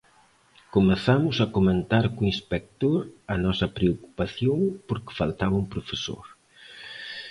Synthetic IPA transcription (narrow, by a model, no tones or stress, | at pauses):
komeθamʊsɐkoment̪aɾkuinspɛk̚t̪oɾɐnɔsɐpɾeoku̥paθjoŋpoɾkɪ̥falt̪aβɐumpɾofeso̰ɾ